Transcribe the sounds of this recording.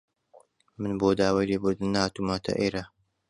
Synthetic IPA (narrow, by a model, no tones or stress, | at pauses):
mɨnboːd̪aːwaːjleːbɨɾd̪ɨnːɐhaːt̪umaːt̪ʰɐ̰ʔeːɾa